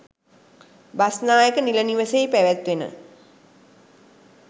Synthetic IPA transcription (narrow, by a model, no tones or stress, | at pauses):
basnaːjəkəniləniʋəsejpæʋæt̪ʋenə̰